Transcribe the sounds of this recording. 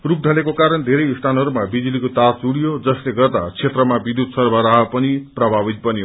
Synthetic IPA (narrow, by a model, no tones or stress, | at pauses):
ruk̚d̪ʱʌlekokaɾʌnd̪ʱeɾʌjisʈʰanɦʌɾumabid͡zilikot̪ard͡zuɽijod͡zʌsleɡʌrd̪at͡sʰet̪rʌmabid̪ud̪sʌrbʱʌɾaɦʌpʌniprʌbʱabit̪̚bʌnjo